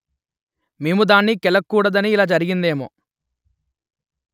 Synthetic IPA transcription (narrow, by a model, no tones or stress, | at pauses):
meːmud̪aːnːikɛlɐkːuːɽɐd̪ɐniːlaːd͡ʒɐɾiɡind̪eːmo̰ː